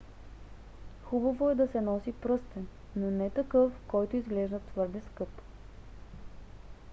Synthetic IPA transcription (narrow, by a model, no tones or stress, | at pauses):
xubɐvoɛd̪ɐsɛnɔsipɾɤst̪ɛn | nːonɛt̪ɐkɤfkɔjt̪ʊizɡlɛʒd̪ɐt̪vɤɾd̪ɛskɤp